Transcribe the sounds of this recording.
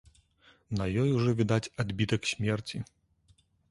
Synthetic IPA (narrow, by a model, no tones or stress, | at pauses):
nɐjɔjuʐɔvʲid̪at͡sʲad̪bʲit̪ɐksʲmʲɛrt͡sʲi